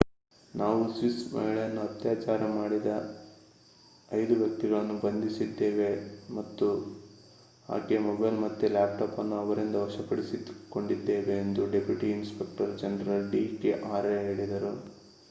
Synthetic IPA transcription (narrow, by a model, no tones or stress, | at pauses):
naːʋusʋismɐ̰ɦiɭɐjɐnːuɐt̪jaːt͡ʃaːɾɐmaːɽid̪ɐ | ɐjd̪uʋɐkt̪ːiɡɐɭɐnːubɐnd̪isid̪ːe̞ːʋe̞mɐt̪ːu | a̰ːkemɔbɐjlmɐt̪ːelaːp̚ʈaːpɐnːuɐʋɐɾind̪ɐʋɐʃɐpɐɽisiko̞ɳɖid̪ːe̞ːʋe̞ːnd̪uɖe̞pʰjuʈiːnspe̞k̚ʈɐɾd͡ʒɐnɾɐɖiːkeʔaːɾeɦeːɭid̪ɐɾu